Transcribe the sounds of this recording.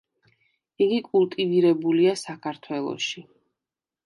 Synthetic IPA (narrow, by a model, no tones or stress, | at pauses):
iɡikʼulˠt̪ʼiviɾɛbuliasakʰaɾt̪ʰwɛlˠɔ̰ʃi